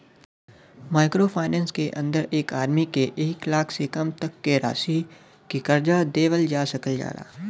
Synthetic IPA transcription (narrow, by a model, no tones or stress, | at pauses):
maːɪkɾopʰaːɪnɛ̃ːnskeʔə̃nd̪əɾeːkaːɾmikeʔeːklaːkʰsekɐmt̪ɐkːeɾa̰ːsi | kikɐɾd͡ʒad̪eːʋəld͡ʒaːsɐkəld͡ʒa̰ːɾa̰ː